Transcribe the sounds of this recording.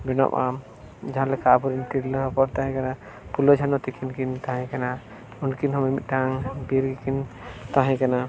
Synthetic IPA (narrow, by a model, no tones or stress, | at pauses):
bɛnɔ̰ma̰ | d͡ʒaɦãlɛkapuɾinʈiɽlapɔɾt̪aɦɛ̃kana | pulɔd͡ʒʰʱanɔt̪ɛkʰinkint̪ãɦãkana | unkinɦɔmɛmit̪̚ˀʈaŋbiɾɡikint̪ãɦãkana